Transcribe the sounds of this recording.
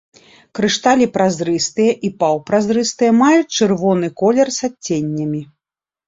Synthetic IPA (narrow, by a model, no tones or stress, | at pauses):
kɾɨʂt̪alʲipɾazɾɨst̪ɨjɐʔipawpɾazɾɨst̪ɨjɐmajut͡sʲt͡ʂɨrvɔnɨkɔlʲɛrsat͡sʲːenʲːɐmʲi